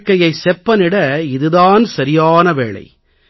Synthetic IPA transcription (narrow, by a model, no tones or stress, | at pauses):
kːɐjɐɪsɛpːɐnɪɽɐɪðɯðaːnsɐɾɪjaːnɐʋeːɭɐ̰ɪ